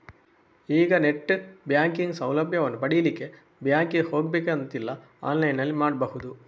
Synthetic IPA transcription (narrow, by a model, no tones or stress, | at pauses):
iːɡɐnɛʈːɯbjaːŋkiŋɡsɐwlɐbʱjɐɔnd̪ɐpɐɽijɐlikːe | bjaːŋkihoːɡ̚bekːeɐnt̪ːilːɐ | aːnlɐjnɐlːimaːɽbɐɣɯd̪u